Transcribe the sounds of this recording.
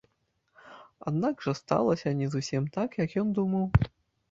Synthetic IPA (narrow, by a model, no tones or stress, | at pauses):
a̰d̪naɡʐɐst̪a̰lˠɐsʲɐnʲɛzusʲimt̪akjɐkjɔnd̪umɐw